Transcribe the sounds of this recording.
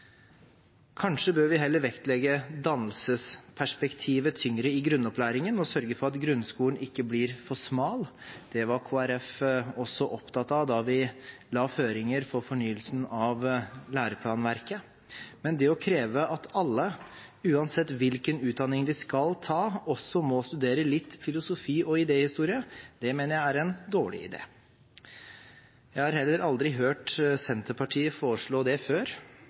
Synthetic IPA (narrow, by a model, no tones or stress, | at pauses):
kʰɑnʂəbøːɾʋɪɦɛlːəɾʋɛkt̪lɛɡəd̪ɑnːəlsəspʰæʂpɛkt̪ʰiːʋət̪ʰʏŋɾəɪɡɾʉnːɔplæːɾɪŋənɔsœɾɡəfɔɾɑt̪ɡɾʉnskuːlən̩ɪkːəblɪːɾfɔʂmɑːld̪̥ɛʋɑɾkʰoːæɾɛfɔsːɔʔɔpt̪ɑt̪ːɑd̪ɑʋɪlɑːføːɾɪŋəɾfɔɾfɔɳyːəlsn̩ɑʋlæːɾəpʰlɑːnʋæɾkə | mɛnd̪ɛɔkʰɾeːʋəɑt̪ɑlːə | ʉːɑnsɛt̪ːʋɪlkənʉːt̪̚d̪ɑnːɪŋd̪ɪskɑlt̪ʰɑːɔsːɔmɔst̪ʉd̪eːɾəlɪt̪ːfɪlʊsʊfiːɔɪd̪eːhɪst̪uːɾɪəd̪̥ɛmeːnəɾjæɪæɾɛnd̪oːɭɪ̰ɪ̰d̪ḛː | jæɪhɑɾhɛlːəɾʔɑld̪ɾɪɦøːʈsɛnt̪əpʰɑʈʰiːəfoːɾəʂɭoːd̪ɛføːɾ